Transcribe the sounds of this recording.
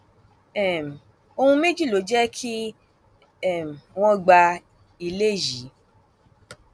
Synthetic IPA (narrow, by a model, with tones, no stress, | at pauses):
ɛ˦˨m̩˨ | o˧hũ˧mẽ˦d͡ʒi˦˨lo˨˦d͡ʒɛ˦kʰi˦ | ɛ˦˨m˨w̃ɔ̃˦ɡ͡ba˧ | i˧le˦˨ji˨˦